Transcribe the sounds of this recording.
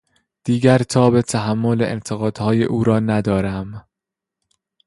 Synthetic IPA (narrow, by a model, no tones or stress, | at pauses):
d̪̥iːɡæɾt̪ʰɒːbe̞t̪ʰæɦæmːo̞leʔḛnt̪ʰeɣɒːd̪̥hɒːjeʔuːɾɒːnæd̪ɒːɾæm